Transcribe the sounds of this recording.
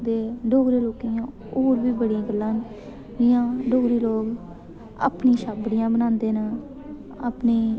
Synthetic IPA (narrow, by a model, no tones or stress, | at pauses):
d̪eːɖʱoːɡɾeːloːkiːjãː | oːɾʋiːbəɽiãːɡəlːãːn | ɪjãːɖʱoːɡɾiːloːk | a̰ːpnĩːʃaːbɽɪjãːbənãːnd̪eːnə | aːpniː